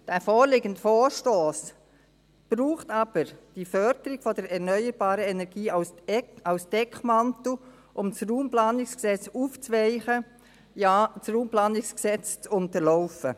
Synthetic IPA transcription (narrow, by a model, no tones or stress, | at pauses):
d̥æfɔːɾlɪɡəndəfɔːɾʃtoːs | b̥ɾuːχtɑb̥əɾd̥ifœɾd̥əɾɪɡ̥fɔdəɾɛʁnœʏəɾbaːɾəɛnɛɾɡ̥iːaʊsɑʊsd̥ɛkʰmɑnto | ʔʊmsruːmplaːnɪksksɛt͡suːft͡svɛɪχə | jaːt͡sruːmplɑːnɪksksɛt͡st͡sʊnt̪əɾlɔʊfə